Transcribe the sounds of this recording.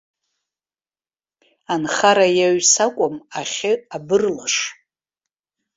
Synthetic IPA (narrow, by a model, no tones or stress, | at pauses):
anχaɾajaɥsakʷʼʊmaχʲɪabɨrlaʂ